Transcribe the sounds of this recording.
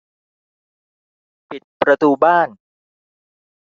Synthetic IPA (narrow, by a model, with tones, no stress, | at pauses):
pi˨˩t̪̚pɾa˧t̪uː˧baː˥˩n